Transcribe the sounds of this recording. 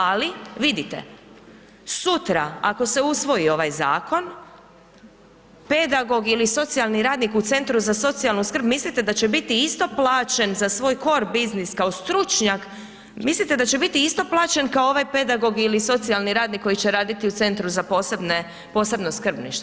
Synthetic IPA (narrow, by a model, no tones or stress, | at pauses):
aliʋid̪it̪ḛ | sut̪ɾa̰a̰ko̞seusʋo̞io̞ʋajza̰ːko̞n | ped̪aɡo̞ɡiliso̞t̪sialˠniɾaːd̪nikut̪se̞nt̪ɾuzaso̞t̪sialˠnuskɾr̩bmislit̪e̞d̪at͡ɕebit̪iist̪o̞plˠaːt͡ʃe̞nzasʋo̞ːjko̞ɾbizniskao̞st̪ɾut͡ʃɲak | mislit̪e̞d̪at͡ɕe̞bit̪iist̪o̞plˠaːt͡ʃe̞nkaooʋajpe̞d̪aɡo̞ɡiliso̞t̪sialˠniɾaːd̪nikːo̞jit͡ɕeɾaːd̪it̪iut̪se̞nt̪ɾuzaposebne | po̞ːse̞bnoskr̩bnḭʃt̪